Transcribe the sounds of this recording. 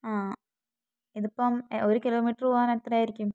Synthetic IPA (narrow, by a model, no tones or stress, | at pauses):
aː | iðupːomoɾukilo̞ːmiːʈːroaːnet̪ːrɐjaːiɾikʲːum